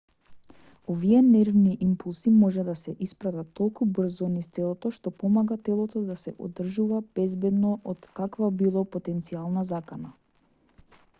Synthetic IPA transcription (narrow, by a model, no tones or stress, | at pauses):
ɔviɛnɛɾvniʔimpulˠsimɔʒɛd̪asɛʔispɾat̪at̪ʰːɔlˠkubr̩zɔnist̪ɛlˠɔt̪ɔʃt̪ɔpɔmaɡat̪ɛlˠɔt̪ɔd̪asɛ̰ʔo̰d̪r̩ʒuvab̥ɛzbɛd̪nɔʔɔt̪kakvabilˠɔpot̪ɛnt̪sialˠnazakana